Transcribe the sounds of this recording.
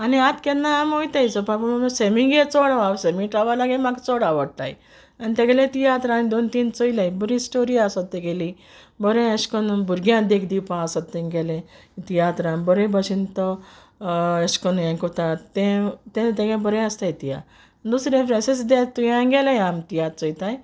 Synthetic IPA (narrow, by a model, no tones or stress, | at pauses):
aniat̪kɛ̃nːaːmojt̪ajt͡sɔpapəmmsemĩŋɡet͡sɔɽaʋaʋsemĩʈɾaʋalaɡemaɡt͡sɔɽaʋəɽt̪a̰j̰ | anit̪ɛɡɛlẽt̪ijat̪ɾãːnid̪ont̪iːnt͡sɔilajbəɾĩsʈoɾiasɔt̪ːẽɡeli | bəɾẽeɕkənbuɾɡjãd̪ekʰd̪ipãəsɔt̪ːẽɡɛlẽ | t̪ijat̪ɾãnbəɾẽbəɕint̪ɔ | eskɔnjãkɔt̪at̪ẽt̪ẽt̪ɛɡãbəɾẽəst̪ajit̪ija̰ | d̪usɾẽpɾẽsesd̪ɛt̪ːujãɡɛlajamt̪ijat̪̚t͡sɔjt̪aj